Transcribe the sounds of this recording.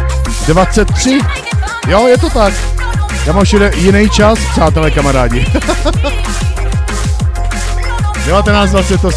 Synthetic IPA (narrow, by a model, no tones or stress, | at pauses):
dvat͡sɛt̪ːr̥ɪ | jojɛt̪̬o̞t̪ak | jaːmamʃɛdɛjɪnɛjt͡ʃaspr̝̥aːt̪ɛlɛkamaɾaːɟɪ | dɛvat̪ɛnaːt͡sd̪vat͡sɛt̪ːo